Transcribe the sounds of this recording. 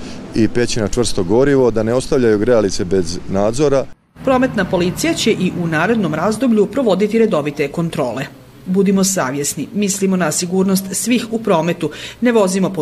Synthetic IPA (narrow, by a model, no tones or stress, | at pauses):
ipe̞t͡ɕinat͡ʃʋr̩st̪o̞ɡo̞ɾiʋo̞d̪aneo̞st̪aʋʎajuɡɾealit̪se̞be̞znaːd̪zo̞ɾa | pɾo̞me̞t̪napo̞lit̪sijat͡ɕe̞ʔiʔunaːɾe̞d̪no̞mɾazd̪o̞bʎupɾo̞ʋo̞d̪it̪iɾe̞d̪o̞ʋit̪e̞ko̞nt̪ɾo̞ːle̞ | bud̪imo̞saːʋje̞snimislimo̞nasiɡuːɾnost̪sʋixupɾo̞ːme̞t̪une̞ʋo̞zimo̞po